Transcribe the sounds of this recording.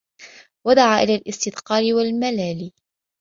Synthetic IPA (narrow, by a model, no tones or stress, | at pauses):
wad̪aʕaːʔɪlaːlʔɪst̪ɪd̪qɑːlɪwalmalaːliː